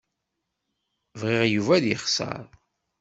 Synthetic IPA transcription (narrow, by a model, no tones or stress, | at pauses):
vʁɪʁjuvæðjəχsɑ̰ɾˤ